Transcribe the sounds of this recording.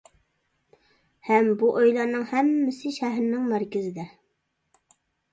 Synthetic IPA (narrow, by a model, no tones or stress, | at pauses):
hɛmbuʔojlˠɑnɨŋhɛmːɪsɪʃæɦɾnɪŋmæɾkʲɪzɪd̪ɛ